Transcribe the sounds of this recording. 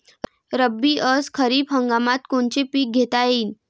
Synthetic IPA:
ɾəbːiːʔəskʰəɾiːpɦəŋɡamat̪koɳt͡ɕepiːk̚ɡʱet̪ajiːn

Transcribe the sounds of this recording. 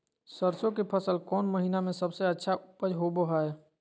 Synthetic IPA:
səɾsõkepʰəsəlkɔːnməɦinamẽsəbseətːʃʰaʊpəd͡ʒɦobəɦae

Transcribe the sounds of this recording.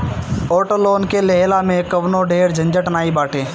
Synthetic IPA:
oːʈəloːnkeleɦlamẽkəʋnoɖeːɾd͡ʒə̃ɲd͡ʒəʈnaːibaːʈʰeː

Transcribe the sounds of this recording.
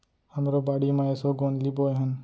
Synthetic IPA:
həmɾobaɽimãesoɡonliboeɦən

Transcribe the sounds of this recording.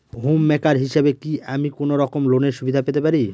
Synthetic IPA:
ɦumːɛkaɾɦiʃebekiʔamikonoɾɔkomloneɾʃubid̪ʱapet̪epaɾi

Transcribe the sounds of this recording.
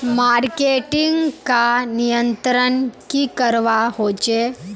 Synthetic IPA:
maɾkeʈiŋɡkanijənt̪ɾənkikəɾʋaɦot͡ʃe

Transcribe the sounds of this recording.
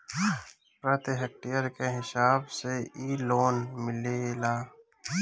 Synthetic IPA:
pɾət̪ɦek̚ʈijəɾkeɦɪsaːbseiːloːnmɪlelaː

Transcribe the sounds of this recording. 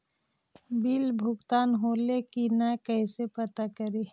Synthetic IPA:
bilbʱʊɡt̪aːnɦoːlekinɛkəisepət̪akəɾeː

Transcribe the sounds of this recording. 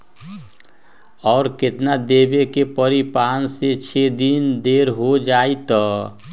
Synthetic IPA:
ɔːɾkɪt̪nad̪eːbekepəɾipaːnset͡ʃʰed̪ind̪eːɾɦod͡ʒaːit̪ɔ

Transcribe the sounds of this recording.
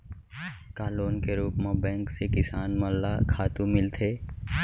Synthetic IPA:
kaːloːnkeɾuːpmãbɛ̃ːŋksekɪsaːnməlːakʰaːt̪ũmɪlt̪ʰeː

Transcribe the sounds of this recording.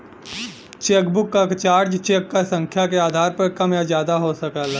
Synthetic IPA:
t͡ʃeːkbʊkːakt͡ʃaːɾd͡ʒt͡ʃeːkːasə̃ŋkʰjakeaːd̪ʱaːɾpɐɾkɐmjazjaːd̪aɦosɐkal

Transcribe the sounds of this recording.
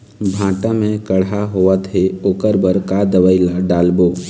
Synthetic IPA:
bʱãːʈamẽkəɽaɦoːət̪ʰeokəɾbəɾkad̪əʋəɪlaɖaːlboː

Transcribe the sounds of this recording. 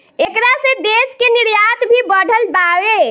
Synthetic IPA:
ekɾasẽd̪eskeniɾjat̪bʱibəɽ̤ʱəlbaʋe

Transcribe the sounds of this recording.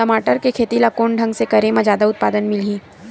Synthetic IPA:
ɐmaːʈəɾkekʰeːt̪ilɐkoːɳɖʱɐ̃ŋɡsekɐɾẽmãd͡ʒaːd̪aʊt̪̚paːd̪ənmɪlɦĩː

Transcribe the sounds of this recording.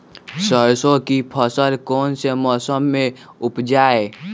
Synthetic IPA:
səɾsõkipʰəsəlkoːnsemɔːsəmːẽʊpd͡ʒaːe

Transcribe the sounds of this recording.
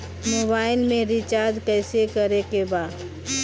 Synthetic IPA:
moːbaːɪlmẽɾɪt͡ʃaːɾd̪kɛːsekɐɾekebaːd̪

